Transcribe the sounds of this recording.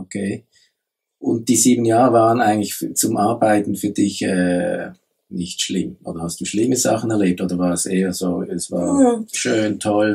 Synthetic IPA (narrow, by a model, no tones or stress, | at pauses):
ʔokʰeː | ʔʊnt̚d̥iːziːbn̩jaːʁəvaːʁənaɪɡəŋ̩tlɪçt͡sʊmʔaɐbaɪtn̩fyːɐdɪçɛ̰ː | nɪçtʃlɪmʔo̰ːd̥ɐhastd̥uːʃlɪməza̰χn̩ɛɐleːp̚tʔoːdɐvaːʁɛsʔeːəzoːɛsv̥a̰ːɐʃøːntʰɔl